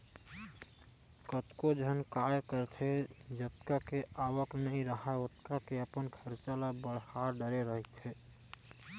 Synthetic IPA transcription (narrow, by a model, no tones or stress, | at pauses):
kət̪kod͡ʒɦənkajkəɾt̪ʰed͡ʒət̪kakeawəknəɦĩɾəɦaot̪kakeəpənkʰəɾt͡ʃalabəɽhaɾɖəɾeɾəɦit̪ʰe